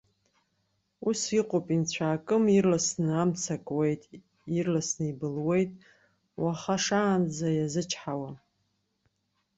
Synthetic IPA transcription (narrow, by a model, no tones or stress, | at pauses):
usiqʷʼopʼint͡ɕʷʰaːkʼɨmirlasnɨamt͡sʰakʼwe̞jtʼ | irlasnɨibɨlwe̞jtʼ | waχaʂaːnd͡zajazɨt͡ʃʰħawa